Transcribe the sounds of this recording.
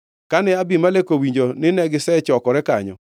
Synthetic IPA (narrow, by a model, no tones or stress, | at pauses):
kanɛabimalekowiɲd͡ʒonɪnɛɡɪsɛt͡ʃɔkɔɾɛka̰ɲɔ̰